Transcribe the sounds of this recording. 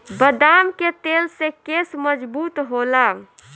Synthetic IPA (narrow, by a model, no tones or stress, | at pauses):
bəd̪amket̪elsekesməd͡ʒbuːt̪ɦola